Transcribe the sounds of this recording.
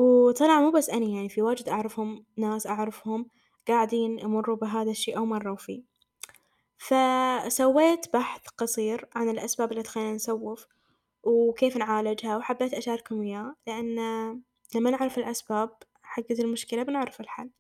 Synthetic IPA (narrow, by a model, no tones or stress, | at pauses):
wt̪ˤɑlʕɑmuːbasːʔanajaʕnifiwaːd͡ʒd̪ʔaʕɾˤɑfhʊmnaːsʔaʕɾɑfhʊm | ɡ̥aːʕɪd̪iːnʔamʊrˤːubɪɦaːðaʃːiːʔawmɑrˤːɑwfiː | fasawːeːt̪baħθqɑsˤiːɾʕanɪlʔasbaːbɪlːit̪xajːnansawːɪf | wkeːfnʕaːlɪd͡ʒhawħabːeːt̪ʔaʃaːɾɪkhʊmjaːlɪʔanː | lamːanɪʕɾˤɪfɪlʔasbaːb̚ | ħaɡːaɪlmʊʃkɪlabnɪʕɾɪfɪlħa̰lː